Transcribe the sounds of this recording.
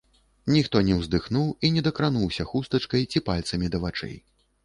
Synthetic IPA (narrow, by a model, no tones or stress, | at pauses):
nʲixt̪ɔnʲɛwzd̪ɨxnuwinʲɛd̪ɐkɾanuwsʲɐxust̪ɐt͡ʂkɐjt͡sʲipalʲt̪sɐmʲid̪ɐvat͡ʂɛ̰j